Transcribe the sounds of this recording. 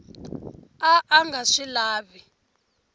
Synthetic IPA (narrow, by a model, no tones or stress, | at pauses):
aʔaŋɡaʂilaːβi